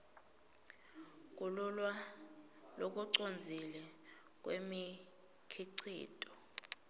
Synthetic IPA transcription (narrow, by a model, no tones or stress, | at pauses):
k̬ʼululwa | lok̬ʼuǀond͡zʱilɛ | k̬wemi | kʰiǀʰḭːtʼɔ̥